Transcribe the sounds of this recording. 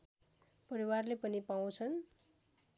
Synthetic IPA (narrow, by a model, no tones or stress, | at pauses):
pʌɾiwarlepʌnipaw̃t͡sʰʌn